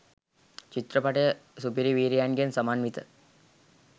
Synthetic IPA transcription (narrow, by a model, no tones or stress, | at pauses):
t͡ʃit̪ɾəpaʈəjəsupiɾiʋiːɾijanɡijənsɐmaːnmit̪ə